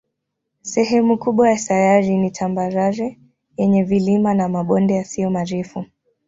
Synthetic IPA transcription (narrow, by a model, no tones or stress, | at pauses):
sɛɦɛmukuɓwajatajaɾinitʰambaɾaɾɛ | jɛɲɛvilimanamaɓɔndɛjasiɔmaɾɛfu